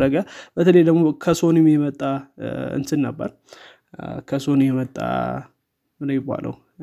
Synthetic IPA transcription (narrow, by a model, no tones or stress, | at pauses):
ɾəɡəbət̪ʰələjd̪əɡmokʰəso̞nimjɛmət̪ʼːaɨ̰nsɨnːəbːə̰ɾ | kʰəso̞nmjɛmət̪ʼːa̰ | mɨnɨmjɛba̰lʔə̰w